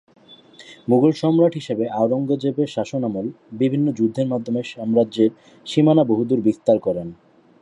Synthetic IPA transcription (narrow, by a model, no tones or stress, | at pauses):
muɡolʃɔmɾaʈʰɦiʃebeʔaoɾoŋɡod͡ʑebeʃaʃonamol | bibʱinːod͡ʑud̪ʱːeɾmad̪ʱːomeʃɔmɾadd͡ʑeɾ | ʃimanaboɦud̪uɾbist̪aɾkɔɾen